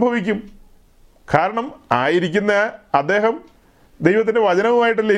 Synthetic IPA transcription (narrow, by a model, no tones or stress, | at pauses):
bʱɐʋik̬ʲːum | kʰaːɾɐɳɐmaːjiɾik̬ʲːunːɐɐd̪ːe̞ːɦɐm | d̪e̞jʋɐt̪̬ːindeʋɐt͡ɕɐnɐʋumaːjiʈ̬ːɨle